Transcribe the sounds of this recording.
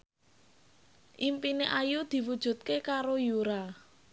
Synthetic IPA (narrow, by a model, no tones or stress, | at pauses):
ʔimpineʔajud̪̥i̤wud̥ʒ̥ṳt̪̚kekaɾojuɾa